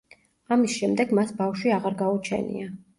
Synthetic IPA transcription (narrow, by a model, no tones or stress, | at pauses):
amisʃɛmd̪ɛɡmasbafʃwiaʁaɾɡaut͡ʃʰɛ̰nḭa